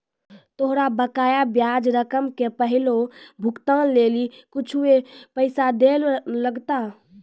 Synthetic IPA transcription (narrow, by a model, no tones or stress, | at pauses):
t̪oɦɾabəkaːjabjad͡ʒɾəkəmkepəɦɪlobʱʊkt̪əlleːlikʊt͡ʃʰuepəɪsad̪elləɡt̪a